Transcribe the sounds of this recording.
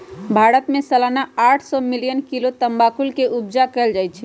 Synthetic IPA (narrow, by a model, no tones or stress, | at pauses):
bʱaɽət̪mẽsəlanaaːʈʰsɔmilijənkilot̪əmbakulkeʔubd͡ʒakɛːld͡ʒajt͡ʃʰɛ